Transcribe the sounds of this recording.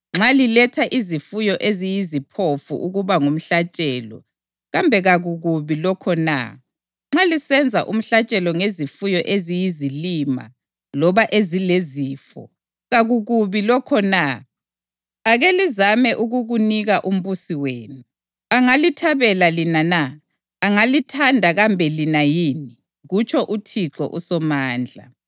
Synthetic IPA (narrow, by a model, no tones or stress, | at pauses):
ŋ͡ǁalilɛtʰaʔizifujɔʔezijizipʰofṵʔuɣuβaŋum̩ɬat͡ʃʼɛːlɔ̰ | ɣambʱɛɣaɣuɣuβilɔkʰɔna̰ | ŋ͡ǁalisɛnd͡zʱaʔum̩ɬat͡ʃʼɛlɔŋezifujɔʔezijizilima̰ | lɔβaʔezileziːfɔ̰ | ɣaɣuɣuβilɔkʰɔna | aɣelizamɛʔuɣuɣuniɣaʔum̩βusiweːnu | aŋalitʰaβɛlalinana | aŋalitʰandʱaɣambʱɛlinajini | ɣut͡ʃʰʼɔʔutʰiǁɔ̰ʔusɔmaːnd͡ɮʱa̰